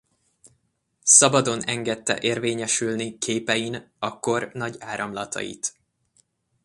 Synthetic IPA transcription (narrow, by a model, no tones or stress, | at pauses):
sɒbɒd̪o̞nɛŋɡɛt̪ːɛ̰ʔeːrveːɲɛʃylnikʰeːpɛjinɒkːo̞rnɒɟaːɾɒmlɒt̪ʰɒ̰jḭt̪